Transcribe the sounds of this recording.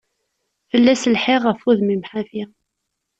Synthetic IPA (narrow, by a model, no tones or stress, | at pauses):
fəlːæsəlħeʁəfuðmimħafi